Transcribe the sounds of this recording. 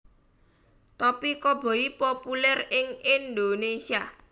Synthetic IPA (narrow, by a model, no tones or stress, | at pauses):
t̪ɔpikɔb̥ɔ̤ipopulɛrɪŋɪnd̪onesia